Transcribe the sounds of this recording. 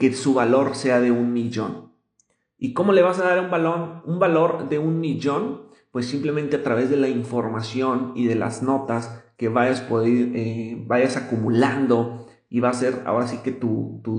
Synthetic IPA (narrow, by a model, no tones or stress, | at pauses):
ke̞suβalo̞ɾse̞aðe̞unmiʝo̞̰n | iko̞mo̞le̞βasaðaɾumbalonumbalo̞ɾðe̞unmiʝo̞n | pwe̞sːimplement̪e̞at̪ɾaβe̞zðe̞laiɱfo̞ɾmasjo̞niðe̞la̰zno̞t̪aske̞βaʝaspo̞ðiɾebajasakumuland̪o̞ | iβase̞ɾa̰o̞ɾas̬ike̞t̪ut̪u